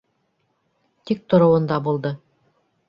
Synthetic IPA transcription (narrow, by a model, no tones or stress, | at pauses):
t̪ik̚t̪ŏɾŏwɤ̆nd̪ɑbulˠd̪ɤ